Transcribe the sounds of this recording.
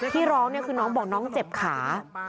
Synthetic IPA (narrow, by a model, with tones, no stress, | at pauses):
t̪ʰiː˥˩ɾɔː˦˥ŋni˥˩əkʰɯː˧nɔː˦˥ŋbɔː˨˩k̚nɔː˦˥ŋt͡ɕe˨˩p̚kʰaː˩˦